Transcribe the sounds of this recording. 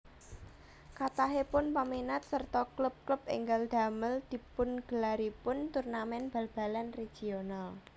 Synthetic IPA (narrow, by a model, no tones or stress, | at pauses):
kat̪aɦepʊnpaminat̪̚sərt̪ɔklʊp̚klupḭŋɡald̪̥a̤məld̪̥i̤pʊnɡ̥əlaɾipʊnt̪urnamɛnb̥a̤lb̥a̤lanre̥d͡ʒ̥ional